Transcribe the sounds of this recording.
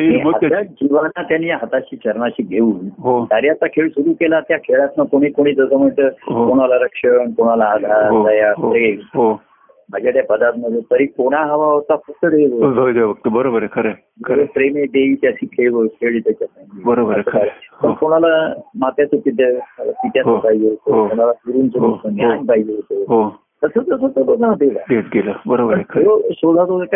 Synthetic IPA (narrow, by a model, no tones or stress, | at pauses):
ĩəajad͡ʑiʋanat̪janːiːjaɦət̪at͡ɕiːt͡ɕəɾmaɕiːɡʱeuːnɦot̪aɾiat̪akʰeɭsuɾuːkelat̪jakʰeɭat̪nakoɽ̃iːkoɽ̃iːd͡zəsəm̤əɳt̪əɦkoɽ̃alaɾəkʂəɳkoɽ̃alaːd̪ʱaɾɦoajapɦɾemɦo | m̤ad͡ʑat̪japəd̪at̪məd̪ʱet̪əɾikoɽ̃aɦəʋaot̪afək̚t̪əɽeʋəod̪eʋʋək̚t̪əbəɾobəɾekʰəɾe | kʰəɾepɾemeɖeit̪sikʰeɭʋəkʰeɭit̪at͡ɕasãŋkibəɾobəɾʰaɾpənkoɽ̃alamat̪jat͡səpit̪pit̪jaɦopaɦid͡zeɦot̪oɦokoɽ̃alakuɾuːnsəot̪ənanpaid͡ʑeɦot̪oɦo | t̪əsət̪əsət̪obəd̪anad̪eʋaɡeʈ̚ɡelabəɾobəɾeosod̪ʱat̪oka